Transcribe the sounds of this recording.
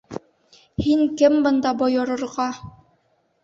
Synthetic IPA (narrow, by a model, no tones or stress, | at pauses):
hiŋkɘmbɤ̆nd̪ɑbŏjŏɾŏɾʁɑ